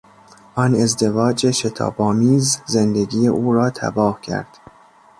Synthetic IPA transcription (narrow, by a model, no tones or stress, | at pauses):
ʔɒːne̞zd̪e̞vɒːd͡ʒeʃe̞t̪ʰɒ̰ːbɒːmiːzzend̪eɡiːeʔuːɾɒːt̪ʰæ̰bɒːhcʰæ̰ɾd̪̥